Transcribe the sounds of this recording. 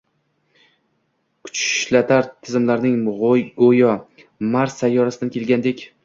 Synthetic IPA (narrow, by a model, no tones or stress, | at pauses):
kʰʊ̥t͡ʃʃlat̪ʰaɾt̪ʰɪzɪmlaɾnɪŋojɒ | maɾsajːɒɾasɪd̪ankʰʲe̞lɡʲand̪e̞kʲ